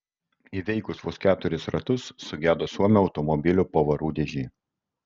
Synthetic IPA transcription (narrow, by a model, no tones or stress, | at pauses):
iːʋʲɛɪkʊsʋoskʲæːt̪ʊɾʲɪsɾɐt̪ʊsːʊɡʲæːd̪oːsuɔmʲɛɒʊt̪ɔmɔbʲɪlʲuːpoʋɐɾuːd̪ʲeɛʒʲiː